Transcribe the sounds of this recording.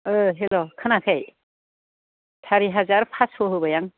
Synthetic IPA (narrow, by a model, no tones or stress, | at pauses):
ɯɦelɔkʰɯnakʰaj | tʰaɾiɦazaɾpʰasoɦɯbajaŋ